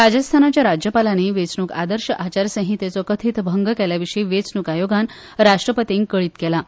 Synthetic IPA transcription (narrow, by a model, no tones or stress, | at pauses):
ɾad͡ʑəst̪ʰanat͡ɕjaɾad͡ʑjəpalaneʋet͡snuːkad̪əɾɕəʔat͡ɕaɾsə̃ɦit̪et͡sɔkət̪ʰiːt̪bʱəŋɡəkɛljaʋiʂəiʋet͡snukajoɡan | ɾaʂʈɾəpət̪iŋkkːəɭiːt̪kɛla